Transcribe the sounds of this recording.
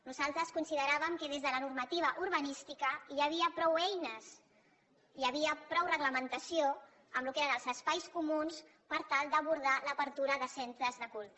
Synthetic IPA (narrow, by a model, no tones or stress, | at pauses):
nuzalˠt̪ɾəskunsiðəɾaβəmkəð̞ezðələnuɾmət̪iβ̞əʔuɾβənist̪ikəəβ̞iəpɾɔwɛjnəs | iəβiəpɾɔwrəɣləmənt̪əsio | əmlukeɾənəlˠzəspajskumuns | pəɾt̪alˠd̪əβuɾð̞aləpəɾt̪uɾəðəsent̪ɾəzðəkulˠt̪